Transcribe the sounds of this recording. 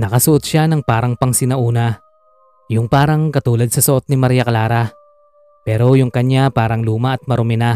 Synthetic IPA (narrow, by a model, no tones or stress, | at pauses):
nɐkɐsʊʔot̪̚ʃanɐŋpaːɾɐŋpɐŋsɪnɐʔuːna | jʊŋpaːɾɐŋkɐt̪uːlɐd̪̚sɐsɐʔot̪̚nɪmɐɾijɐkɐlaːɾa | pɛːɾo̞jʊŋkɐɲjapaːɾɐŋluːmɐɐt̪̚mɐɾʊmɪna